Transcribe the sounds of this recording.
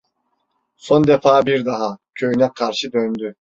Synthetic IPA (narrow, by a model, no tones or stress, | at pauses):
so̞nd̪efaːbiɾd̪aɦacʰø̞jynɛkʰaɾʃɯd̪ønd̪y